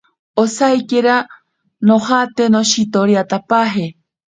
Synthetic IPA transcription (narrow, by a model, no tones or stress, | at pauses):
osajkeɾa | nohat̪e̞nõɕit̪oɾiat̪apaɦe